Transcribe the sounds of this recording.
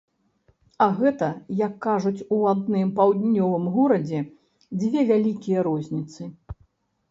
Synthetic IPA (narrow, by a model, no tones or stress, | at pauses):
aɣɛt̪ɐjɐkːaʐut͡sʲuad̪nɨmpawd̪ʲnʲɔvɨmɣɔɾɐd͡zʲɛ | d͡zʲvʲɛvʲalʲikʲijɐɾɔzʲnʲit̪sɨ